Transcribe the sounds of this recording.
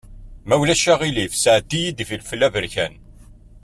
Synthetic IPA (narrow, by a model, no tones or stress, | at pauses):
mæwlæʃæʁilifsəʕd̪ijid̪filfəlːævəɾçæn